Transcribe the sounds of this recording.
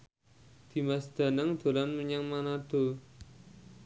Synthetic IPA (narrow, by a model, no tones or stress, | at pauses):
d̪̥i̤masd̪̥a̤naŋd̪̥o̤lanməɲaŋmanad̪̥o̤